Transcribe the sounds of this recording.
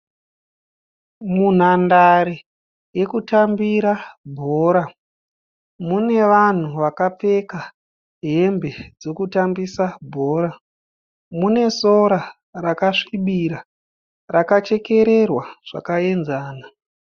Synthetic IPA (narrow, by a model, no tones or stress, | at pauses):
mun̤andaɾe | je̞kutambiɾabʱo̞ːɾa | mune̞ʋan̤uʋakap͡fe̞ka | ɦe̞mbe̞d͡zo̞kutambisabʱo̞ːɾa | mune̞soɾa | rakaʂiɓiɾa | rakat͡ʃe̞ke̞ɾe̞rwaʐ̥a̰kae̞nzaːna